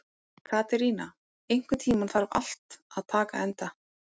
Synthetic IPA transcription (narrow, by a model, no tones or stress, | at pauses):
kʰaːt̪ɛɾiːna | ejŋ̥kʏt̪ʰiːmanθaɾva̰l̥t̪aðt̪ʰaːkaɛnt̪a